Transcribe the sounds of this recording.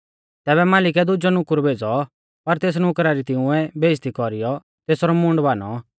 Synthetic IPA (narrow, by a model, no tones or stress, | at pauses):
t̪ɛːβɛmaːlɪk̬ɛd̪ʊd͡ʒɔnʊkʊɾbʱeːd͡zɔ | pɐɾt̪eːs̬nʊkɾaɾit̪ɪ̃ʊ̃ɛbʱeːd͡ʒt̪ikɔɾijɔ | t̪eːsɾɔmʊ̃ɳɖbaːnɔ